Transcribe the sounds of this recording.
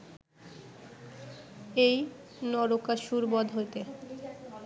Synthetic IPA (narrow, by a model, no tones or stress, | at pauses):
ej | nɔɾokaʃuɾbɔd̪ʱɦoet̪e